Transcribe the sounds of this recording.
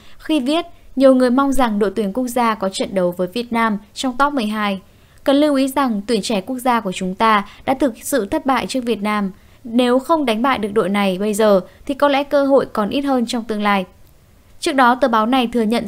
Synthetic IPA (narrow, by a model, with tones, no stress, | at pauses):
xi˧vi˦˥ət̚ɲi˨˩əwŋɨ˨˩əjma˧wŋ͡mza˨˩ŋɗo̰˧˨t̪wi˨˦ənku˦˥ək̚zaː˧kɔ˨˦t͡ɕə̰˧˨nɗə˨˦wvəː˨˦jvi˨˩ət̚naː˧mt͡ɕɔ˧wŋ͡mt̪ɔ˦˥p̚mɨ˨˩əjɦaː˧j | kə˨˩nli˧wʔi˨˦za˨˩ŋt̪wi˨˧˩ənt͡ɕɛ˧˩ku˦˥ək̚zaː˧ku˧˩ət͡ɕʊ˨˦ŋ͡mt̪aː˧ɗa̰ː˧˥t̪ʰɨ˨˩k̚sɨ̰˧˨t̪ʰə˦˥t̚ɓa̰ː˧˨jt͡ɕɨ˦˥ək̚vi˨˩ət̚naː˧m | ne˨˦wxə˧wŋ͡mɗa˨˦ŋ̟ɓa̰ː˧˨jɗɨ˨˩ək̚ɗo̰˧˨jna˨˩jɓə˧jzəː˨˩t̪ʰi˨˩kɔ˨˦lɛ̰˧˥kəː˧ɦo̰˧˨jkɔ˨˩nʔi˦˥t̚həː˧nt͡ɕɔ˧wŋ͡mt̪ɨ˧əŋlaː˧j | t͡ɕɨ˦˥ək̚ɗɔ˨˦t̪əː˨˩ɓaː˨˦wna˨˩jt̪ʰɨ˨˩əɲə̰˧˨n